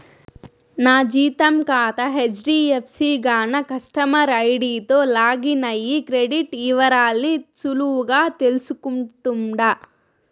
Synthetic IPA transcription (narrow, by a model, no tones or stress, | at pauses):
naːd͡ʒiːt̪ɐmkaːt̪ɐɦed͡ʒɖiːepʰsiːɡaːnɐkɐsʈɐmɐɾɐjɖiːt̪oːlaːɡinɐjːikɾeɖiʈiːʋɐɾaːlnit͡ʃuluuɡaːt̪e̞lusukuɳʈuɳɖa